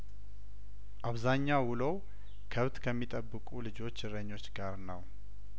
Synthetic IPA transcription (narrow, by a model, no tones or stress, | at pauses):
ʔaβzaɲːawʊləw | kʰəβt̪kʰəmːit̪ʼəbːɨkʼulɨd͡ʒo̞t͡ʃːɨɾəɲːo̞t͡ʃːɡaɾnəw